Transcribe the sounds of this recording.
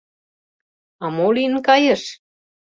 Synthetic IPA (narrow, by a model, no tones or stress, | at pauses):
ɑmolinkɑjə̆ʃ